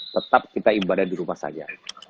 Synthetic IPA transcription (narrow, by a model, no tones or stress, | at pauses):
t̪ət̪ap̚kit̪aibadahdiɾumahsa̰d͡ʒa